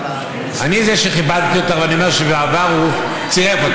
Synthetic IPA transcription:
anizeʃeχibad̪̚t̪ijot̪eʁveaniomeʃeveavaʁu | t͡siefot

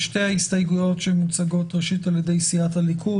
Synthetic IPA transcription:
ʃte̞jhaistajɡujo̞tʃemːut͡saɡo̞tʁeʃitaljedejsiathalikʰu

